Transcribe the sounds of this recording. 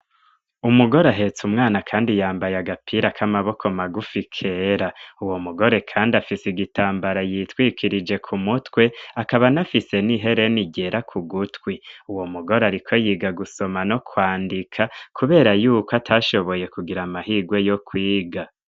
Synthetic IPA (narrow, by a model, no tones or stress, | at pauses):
umuɡo̞ɾaɦe̞t͡sumŋaːnakʰaːndijaːmbajaɡapʰiːɾakʰamaβo̞kʰo̞maɡufikʰe̞ɾauwo̞muɡo̞ɾe̞kʰaːndafisiɡitaːmbaɾajitwiːkʰiɾid͡ʒe̞kʰumutwe̞akaβanafise̞niɦe̞ɾe̞niɟe̞ɾakʰuɡutwiuwo̞muɡo̞ɾaɾikʰo̞jiːɡaɡuso̞mano̞kwaːndikʰakʰuβe̞ːɾajuːkoatʰaʃo̞βo̞je̞kuɡiɾamahiːɡwe̞jo̞kʰwiːɡa